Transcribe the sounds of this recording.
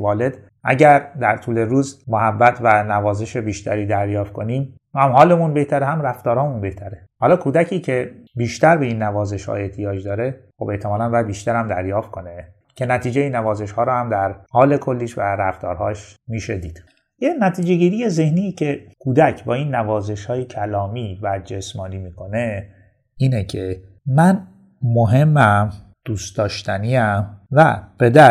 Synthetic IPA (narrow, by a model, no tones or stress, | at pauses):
vɒːle̞d̪̥ | ʔæ̰ɟæɾd̪æɾt̪ʰuːle̞ɾuːzmohæbːæt̪ʰvænævɒːze̞ʃebiːʃt̪ʰæɾiːd̪æɾjɒːft̪̚kʰoniːm | hæmhɒːle̞munbe̞ht̪ʰæɾehæmræft̪ɒːɾhɒːmunbe̞ht̪ʰæɾehɒːlɒːkʰuːd̪æcʰiːcʰe̞biːʃt̪æɾbeiːnːævɒːze̞ʃhɒ̰e̞ht̪ʰijɒːd͡ʒd̪ɒːɾe̞xobe̞ht̪ʰemɒːlænbɒːjæd̪̚biːʃt̪æɾæmd̪æɾjɒːft̪̚kʰo̞ne | cʰe̞næt̪ʰiːd͡ʒejinævɒːze̞ʃhɒːɾɔːhæmd̪æɾhɒːle̞kʰolːiːʃvæɾæft̪ɒ̰ːɾɦɒːʃmiːʃed̪iːd̪̥ | jenæt̪ʰiːd͡ʒe̞ɟiːɾijeze̞hnijcʰe̞kʰuːd̪æcʰbɒːinːævɒːze̞ʃhɒːjecʰælɒːmiːvæd͡ʒesmɒːniːmiːkʰo̞ne̞ | iːnecʰe | mæn | moɦe̞mːæm | d̪̥uːst̪d̪ɒːʃt̪ʰæniːæmvæ̰b̥e̞d̪æ